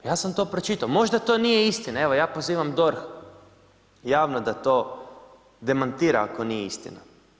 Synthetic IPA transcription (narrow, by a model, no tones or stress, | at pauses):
jaːsamt̪o̞ːpɾot͡ʃit̪aomo̞ʒd̪at̪o̞nijeist̪inae̞ʋo̞jaːpoziːʋamd̪o̞ɾx | jaːʋnod̪at̪o̞ː | d̪e̞mant̪iːɾaako̞nijeist̪ḭna